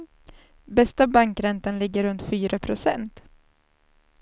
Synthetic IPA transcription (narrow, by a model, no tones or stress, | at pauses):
bɛst̪abaŋkɾɛnt̪anlɪɡːəɾɵnt̪fyːɾapʰɾʊsɛ̰nt̪